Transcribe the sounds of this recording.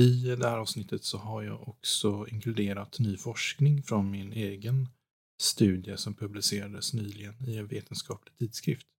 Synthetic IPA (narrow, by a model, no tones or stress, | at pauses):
ɪd̪ɛhæːɾɑːvʋsnɪt̪ʰːət̪sɔɦaɾjɑ̰ːɡɔksɔɪŋkʰlɵd̪eːɾat̪nyːfɔʂknɪŋfɾɔnmɪneːɡən | st̪ʉ̟ːd̪jəsɔmpʰɵblɪseːɾad̪əsnyːlɪɡənɪɛnveːt̪ʰənskɑːplɪɡ̚t̪ʰiːd̪skɾɪ̰ft̪